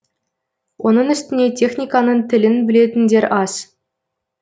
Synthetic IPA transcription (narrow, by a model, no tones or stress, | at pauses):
ŏnɤnɵ̆sʲt̪ʲɘ̆nʲetʲexnʲikanɤnt̪ʲɘ̆lʲɘ̆nbɘ̆lʲet̪ʲɘ̆nʲdʲerʲʔɑsʲ